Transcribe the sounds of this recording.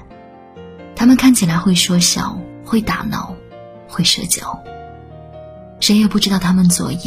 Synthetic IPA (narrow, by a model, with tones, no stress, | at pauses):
t̪ʰa˥mə˨nkʰa˥˩nt͡ɕʰi˨˩la˧ɪxwe˥˩ɪʂwɔ˥ɕjɑ̰˨˩˦ʊxwe˥˩ɪt̪a̰˨˩nɑ̰˥˩˦ʊ | xwe˥˩ɪʂɤ˥˧t͡ɕjɑ˧˩˦ʊ | ʂe˧˥ɪjɛ˨˩pu˥˩ʈ͡ʂɻ̩˥ɑ˥˩ʊt̪ʰa˥mə˨nt͡swɔ̰˨˩ḭ˧˥˩